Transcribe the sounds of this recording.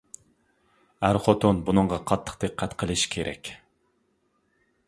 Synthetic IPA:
æɾχot̪ʰonbunɨɴʁɑqʰɑt̪ʰːə̥qd̪̥ɨqʰːæt̪qʰəlˠɨʃkʲʰeɾʔɛ̰kʲ

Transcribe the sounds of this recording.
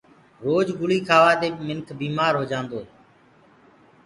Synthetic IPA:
ɾoːd͡ʒɡʊliːkʰaːʋaːd̪eːkmɪnkʰbiːmaːɾɦoːd͡ʒãːnd̪oːɦeː

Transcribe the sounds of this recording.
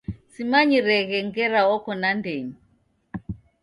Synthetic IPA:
simaɲiɾɛɣɛŋɡɛɾaɔkɔnandɛɲi

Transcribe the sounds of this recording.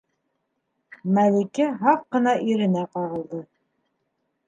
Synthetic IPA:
mælikɘɦɑq̚qɤ̆nɑʔiɾɘ̆næqɑʁɤ̆lˠd̪ɤ

